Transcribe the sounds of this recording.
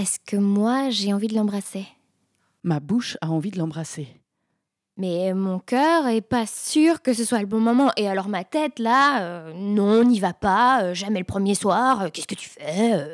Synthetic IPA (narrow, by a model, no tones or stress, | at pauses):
ɛskʰəmwaʒeɑ̃vid̪əlɑ̃bʁase | mabuʃaɑ̃vid̪əlɑ̃bʁase | mɛmɔ̃kʲœːʁɛpasyʁkəs̬əswaləbɔ̃mɔmɑ̃ʔealɔʁmat̪ɛt̪laønɔ̃ɔ̃nivapaøʒamɛləpχəmjeswaːʁøkʲɛ̥skət̪y̥fɛø